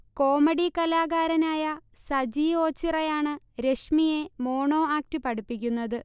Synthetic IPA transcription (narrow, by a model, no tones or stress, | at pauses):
ko̞ːmɐɽikɐlaːɣaːɾɐnaːjɐsɐd͡ʑio̞ːt͡ɕːirɐjaːɳɨ | ɾe̞ʂmije̞mo̞ːɳo̞ːaːk̚tɨpɐɽupːikʲːunːɐðɨ